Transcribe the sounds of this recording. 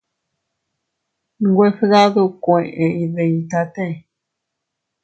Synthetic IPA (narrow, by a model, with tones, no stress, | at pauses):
ɡwe˦fe˦ða˦ðu˦˧kʷẽ˨ʔẽ˨˧i˧ðe˧ĩ˧t̪a˧t̪ẽ˦˨